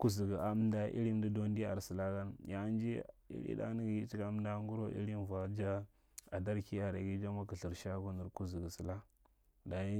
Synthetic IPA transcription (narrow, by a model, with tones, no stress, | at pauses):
ku˦zi˨ɡə˨a˨˦m˦nda˦ḭ˦ɾi˦m˦di˦do˦n˦di˦a˨ɾsi˨la˦ka˦nja˨˦nd͡ʒi˦ḭ˦ɾḭ˦da̰˦ni˦ɡi˦t͡ʃi˦ka˨˦m˦nda˦ŋɡu˦ɾo˦ḭ˦ɾi˦mva˨d͡ʒa˦ | a˨da˦ɾki˦a˨ɾa˨ɡi˦d͡ʒa˦ma˦ki˨ɬi˨ɾʃa˦ku˦ni˨ɾku˦zi˨ɡə˨si˨la˦ | da˨ji˦